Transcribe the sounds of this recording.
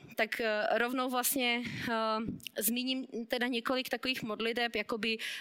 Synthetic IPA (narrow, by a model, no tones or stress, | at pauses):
t̪akɾovnowvlast̪ɲɛ | zmʲiɲimt̪ɛdaɲɛkolɪkt̪akoviːxmodlɪt̪ɛpjakobɪ